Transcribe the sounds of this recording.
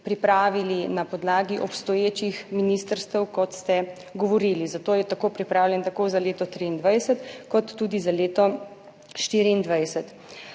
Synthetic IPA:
pɾipɾaːʋilinapɔd̪laːɡiʔɔpst̪ɔjeːt͡ʃixminist̪əɾst̪əwkɔt̪st̪ɛ | ɡɔʋɔɾilizat̪oːjɛt̪akoːpɾipɾaːwljɛnt̪akoːzaleːt̪ɔt̪ɾiːnd̪ʋajsət̪kɔt̪ːud̪izaleːt̪ɔ | ʃt̪iːɾiːnd̪ʋajsət̪

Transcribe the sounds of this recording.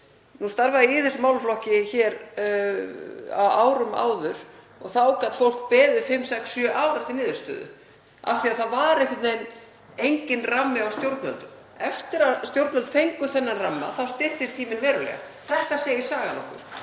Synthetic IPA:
nust̪aɾvaðiiːðɪsmaːwlflɔhcɪçɛːɾ | a̰aːwɾʏma̰ːwðʏɾ̥ | ɔɣθawkat̪fowl̥kpɛːðɪðfɪmːsɛksːjœʔaːwɾaft̪ɪɾnɪːðʏɾst̪œ̰ːðʏ̰ | a̰fθiaðθaðvaɾɛhkɪt̪nejn | ejɲcɪnramːɪawst̪jowɾt̪nvœ̰lt̪ʏm | ɛft̪ɪɾast̪jowɾt̪œlt̪θejŋkʏθɛnːanramːa̰θawst̪ɪht̪ɪst̪ʰiːmɪnvɛːɾʏlɛ̰ɣa̰ | θɛht̪aseːjɪsaːɣanɔhkʏ̰ɾ̥

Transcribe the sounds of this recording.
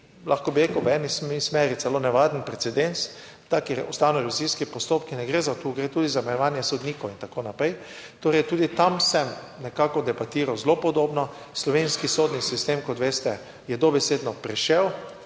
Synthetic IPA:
laxkɔbiɾekəwʋɛnismismɛːɾit̪sɛlonɛʋaːd̪npɾɛtsɛd̪ens | t̪akiɾɔst̪awnɔɾɛʋiziskipɔst̪oːpkinɛɡɾezat̪uːɡɾet̪uːd̪izamɛnɔʋaːnjɛsɔd̪niːkowint̪akonapɾɛj | t̪oːɾɛjt̪uːd̪it̪amsɛm | nɛkaːkɔd̪ɛbat̪iːɾawzlopɔd̪oːbnɔ | slɔʋenskisod̪nisist̪emkɔt̪ʋeːst̪ɛ | jɛd̪obɛseːd̪nɔpɾɛʃɛw

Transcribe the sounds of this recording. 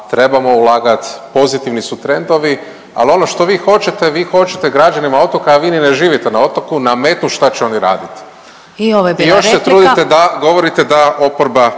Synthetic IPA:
t̪ɾe̞bamo̞ulaːɡat̪po̞zit̪iʋnisut̪ɾe̞nd̪o̞ʋi | a̰lo̞no̞ʃt̪o̞ʋiːxo̞t͡ʃet̪e̞ʋiːxo̞t͡ʃe̥t̪eɡɾad͡ʒanimao̞t̪okaːʋiːnineʒiːʋit̪enao̞t̪okunamet̪nuʃt̪at͡ɕeo̞niɾa̰ːd̪it̪ | ioʋeijoʃset̪ɾuːd̪itt̪ed̪aɡo̞ʋo̞ɾit̪ed̪ao̞poɾba

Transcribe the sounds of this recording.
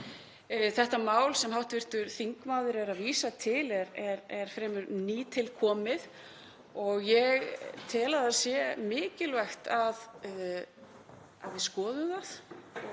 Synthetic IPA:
θɛht̪amaːwlsɛmɦawht̪vɪr̥t̪ʏɾθiŋkmaːwðʏɾɛɾaðviːsat̪ʰɪlɛɾɛɾɛɾ̥fɾɛːmʏɾniːt̪ʰɪlkʰɔːmɪð | ɔɣjɛɣt̪ʰɛːlaðasjɛmɪːcɪlvɛxt̪að | a̰ðjɪskɔːðʏmðaθ

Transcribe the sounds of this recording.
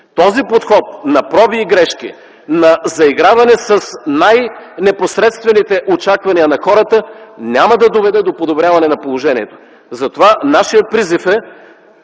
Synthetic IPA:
t̪ɔzipot̪xɔt̪̚nɐpɾɔviːɡɾɛʃkḭ | nɐzɐiɡɾavɐnɛsɐsnajnɛposɾɛt̪st̪vɛnit̪ɛʔot͡ʃakvɐniənɐxɔɾət̪ənʲamɐd̪ɐd̪ovɛd̪ɛd̪opod̪obɾʲjavɐnɛnɐpolˠoʒɛniɛt̪o̥ | zɐt̪ovanaʃijət̪̚pɾizifɛ

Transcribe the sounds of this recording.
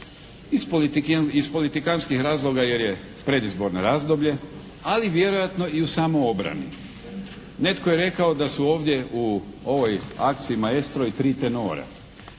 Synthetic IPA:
ispoliispo̞lit̪ikanskixɾaːzlˠo̞ɡaje̞ɾje̞ | pɾe̞d̪izbo̞ɾnaɾaːzd̪o̞bʎe̞ | aliʋje̞ɾo̞jat̪no̞iusaːmojo̞bɾa̰nḭ | ne̞t̪koje̞ɾe̞kao̞d̪asuo̞ːʋd̪ʲje̞ʔuo̞ʋo̞ja̰k̚t̪siimae̞st̪ɾoit̪ɾiːt̪eno̞ːɾa̰

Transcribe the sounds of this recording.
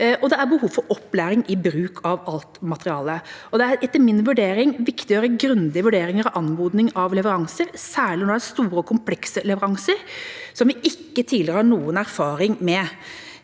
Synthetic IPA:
ʔɔd̪ɛæɾbəhuːʋfɔɾɔpːlæːɾɪŋɪbɾʉːkʰɑʋɑlt̪mɑt̪əɾɪɑːləɔd̪ɛæɾɛt̪ːəɾmɪnʋʉɖeːɾɪŋʋɪkt̪ɪjøːɾəɡɾʉnd̪ɪəʋʉɖeːɾɪŋəɾɑʋʔɑnmuːd̪nɪŋɑʋlɛʋəɾɑŋsəɾsæːɭɪnɔɾɖɛæst̪uːɾəkʰʊmpʰlɛksəlɛʋəɾɑŋsəɾsɔmʋɪʔɪkːət̪ʰiːlɪɾəhɑɳuːənæɾfɑːɾɪŋmɛ

